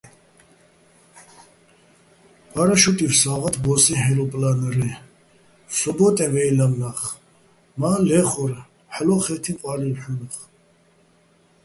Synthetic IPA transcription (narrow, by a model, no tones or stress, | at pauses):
baɾaʃut̪ʼifsaʁat̪ʰbɔsihɛlɔpʼlanɾɛ | sɔbɔt̪ʼɛvɛjlamnaχ | malɛχɔɾ | ħlɔχɛt̪ʰiqʼwaɾilħunχ